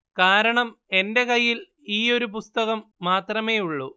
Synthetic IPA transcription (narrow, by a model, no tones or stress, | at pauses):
kaːɾɐɳɐme̞nde̞kɐjːil | iːo̞ɾupust̪ɐɣɐmːaːt̪rɐme̞ːjuɭːu